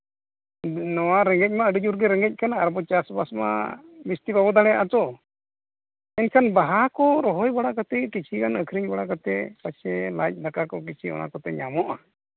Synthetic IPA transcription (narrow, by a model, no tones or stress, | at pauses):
nɔwaɾɛŋɡɛc̚maəɖid͡ʒuɾɡɛɾɛŋɡɛc̚kʰanaːɾbɔt͡ʃasbasma̰bist̪ibabɔd̪aɽɛja̰ʔat͡ʃɔ | ɛnkʰanbaɦakɔɾɔɦɔjbaɽakat̪ɛkit͡ʃʰikanəkʰɾiɲbaɽakat̪ɛpat͡ʃʰɛlajc̚ˀd̪akakɔk̬it͡ʃʰiɔ̰ña̰kɔt̪ɛɲamɔʔa